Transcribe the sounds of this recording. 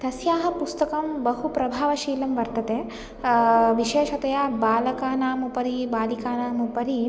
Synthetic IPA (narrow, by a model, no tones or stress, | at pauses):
t̪ɐsjaːɦɐ̆pust̪ɐkɐmbɐɦupɾɐbʱaːʋɐʃiːlɐmʋɐɾt̪ɐt̪eː | ʋiʃeːʃɐt̪ɐjaːbaːlɐkaːnaːmupɐɾibaːlikaːnaːmupɐɾi